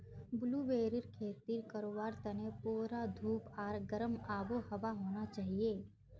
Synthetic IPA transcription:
bʊluːʋeːɾɪɾkʰeːt̪iːɾkɐɾoːʋaːɾt̪ɐnepuːɾad̪ʱuːpaːɾɡɐɾəmaːboɦɐʋaɦoːnat͡ʃaːɦieː

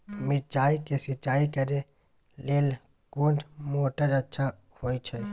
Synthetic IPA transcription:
mɪt͡ʃaːikesɪt͡ʃaːikəɾe | leːl | kuːɳʈmoːʈəd͡ʒətːʃʰa | hoːit͡ʃʰɛ

